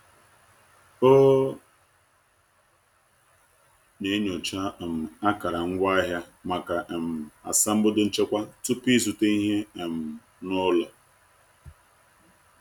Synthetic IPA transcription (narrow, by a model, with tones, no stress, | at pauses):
o˦ | ne˨˦ɲo˨t͡ʃa˦˨m̩˨a˦ka˨ɾa˨ŋ̩˦ɡʷa˦ɦja˦ma˨ka˨ʔe˨m̩˨a̰˨sa˦m̩˦bʊ˦dʊ˦n̩˦t͡ʃe˦kʷa˦tʊ˦pi˦s̬u˨te˦i˦ɦe˦e˨m̩˨ | nʊ˦lɔ˨